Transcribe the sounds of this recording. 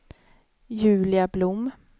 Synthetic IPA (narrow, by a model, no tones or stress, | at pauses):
jʉ̟ːlɪablʊmː